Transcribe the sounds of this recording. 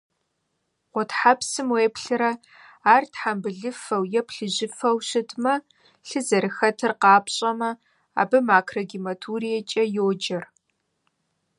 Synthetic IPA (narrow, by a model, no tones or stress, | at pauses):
qʷʊtħapsɨmweːpɬɨɾɐ | aːrtħambɨɮɨfɐwjɛpʰɬɨʑɪfɐwɕɪtʰmɐ | ɬɨzɐɾɨxɐtʰɨrqɑːpɕʼɐmɐ | a̰ːbɨmaːkʰrɐɡimɐtʰurijɛt͡ʃʼɐjoːd͡ʒɐr